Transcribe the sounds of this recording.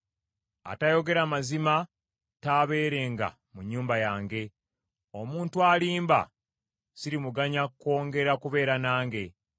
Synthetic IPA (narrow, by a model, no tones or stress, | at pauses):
a̰tajo̞ɡe̞ɾamazima | taβeːɾe̞ŋɡa̰ | muɲːuːmbajaːŋɡe̞ | o̞muːntualiːmba̰ | siɾimuɡaɲakko̞ːŋɡe̞ɾakuβe̞ːɾanaːŋɡe̞